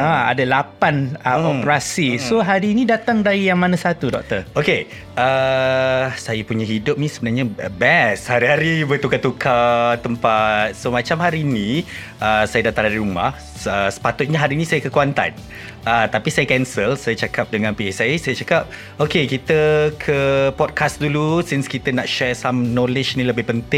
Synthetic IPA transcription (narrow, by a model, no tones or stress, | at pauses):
aa̰dalapanəɔpɾasisoɦaɾiːnidat̪aŋdaijaŋmanãsat̪udɔ̰k̚t̪əroke | ʔə | sajapuɲaɦidʊp̚nisəbənarɲabɛshaɾiɦaɾibət̪ukat̪ukʰat̪ːəmpat̪̚somãt͡ʃamhaɾini | ʔəsajadat̪aŋaɾiɾuma̰h | əsə̥pat̪ʊt̪̚ɲaɦaɾinisajakəkuant̪a̰n | ət̪apisajakɛnsəlsajat͡ʃakap̚dəŋanpiɛsaisajat͡ʃakap̚ | okekit̪əkʰəpɔd̚kʰasdulusinskit̪ənaʔʃɛsamnɔlɪd͡ʒnĩləbɪhpənt̪ɪŋ